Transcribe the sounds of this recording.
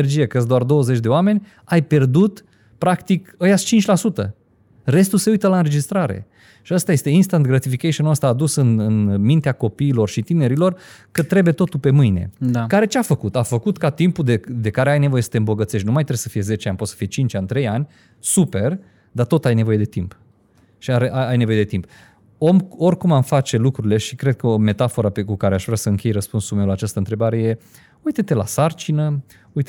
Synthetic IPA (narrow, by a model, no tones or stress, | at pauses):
erd͡ʒijekəəs̬d̪oard̪o̞wəze̞t͡ʃʲd̪eoame̞nʲ | ajpe̞rd̪ut̪ | pɾakt̪ikəjat͡ʃint͡ʃʲlasut̪ə̰ | re̞st̪use̞ujt̪əlaɨnɾe̞d͡ʒist̪ɾaɾe̞̰ | ʃiəst̪aje̞st̪e̞inst̪ant̪̚ɡɾat̪ifikejʃonəst̪aːd̪usɨnɨnmint̪eako̞piːlo̞rʃit̪ine̞ɾilo̞rkət̪ɾe̞buje̞t̪o̞t̪ulpe̞mɨjne̞̰akaɾe̞t͡ʃeafəkut̪afəkut̪kat̪impud̪ed̪e̞kaɾeajne̞vo̞je̞sə̥t̪eɨmbo̞ɡət̪se̞ʃt̪ʲnumajt̪ɾesəfije̞ze̞t͡ʃeanʲpot̪sə̥fije̞t͡ʃint͡ʃant̪ɾe̞janʲ | supe̞r | d̪at̪o̞t̪ajne̞vo̞je̞d̪e̞t̪imp | ʃiaɾeʔaajne̞vo̞je̞d̪e̞t̪imp | o̞morʲkumamfat͡ʃe̞lukɾuɾile̞ʃikɾe̞d̪̚kəome̞t̪afo̞ɾapekukaɾeaʃvɾʲasəɨŋkʲe̞jrəspunsulmewlat͡ʃast̪əɨnt̪ɾe̞baɾe̞je̞ | ujt̪et̪e̞la̰sart͡ʃinə | ujt̪